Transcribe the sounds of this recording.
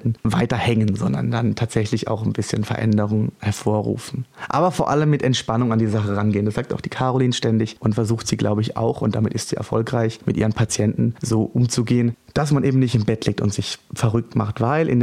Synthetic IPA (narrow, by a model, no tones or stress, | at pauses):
n̩vaɪtɐhɛŋənzɔndɐ̰ndantʰaːtz̥ɛçlɪça̰ʊxnbɪsçənfɛɐʔɛ̰ndəʁʊŋhɛɐfoːɐʁṵːfn̩ʔa̰ːbɐfoːɐʔaləmːɪtʔɛntʃpanʊŋandiːzəzaχəʁanɡeːəndasz̥aːk̚taʊxd̥iːkʰaʁoliːnʃtɛndɪçʔʊntfɛɐzuːxtz̥iːɡla̰ʊbəɪça̰ʊxʊntd̥amɪtɪstz̥iːɛ̰ɐfɔ̰lkʁaɪçmɪtʔiːʁənpʰat͡sjɛntn̩zoːʔʊmt͡suɡeːən | d̥asmanʔeːbm̩nɪçtɪnbɛtleːk̚tʊ̰ntz̥ɪçfɛʁʏk̚tma̰χtv̥aɪlʔɪ̰nd